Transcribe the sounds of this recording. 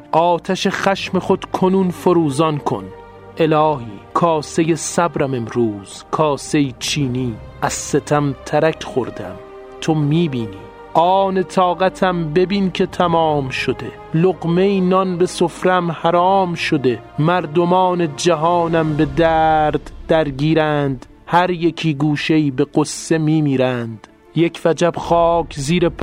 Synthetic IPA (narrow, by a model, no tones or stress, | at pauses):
ʔɒːt̪ʰæʃe̞χæʃme̞χo̞d̪̥kʰonuːnfoɾuːzɒnkʰo̞̰n | ʔe̞lɒːɦiːkʰɒːsejesæbɾæme̞mɾuːz̥kʰɒːsejit͡ʃʰiːniː | æz̥ːet̪ʰæmt̪ʰæɾækʰχoɾd̪æ̰m | t̪ʰomiːbiːniː | ʔɒːne̞t̪ʰɒːɣæt̪ʰæmbe̞biːnkʲʰe̞t̪ʰæmɒːmʃod̪e̞ | loɣme̞inɒnbe̞so̞fɾæmhæɾɒːmʃo̞d̪e̞ | mæɾd̪o̞mɒːne̞d͡ʒæɦɒːnæmbe̞d̪æːɾd̪ːæɾɡiːɾænd̪ | hæɾjekʰiːɡuːʃeiːbe̞ɡosːe̞miːmiːɾænd̪̥ | jekʰvæd͡ʒæbxɒːkʰziːɾep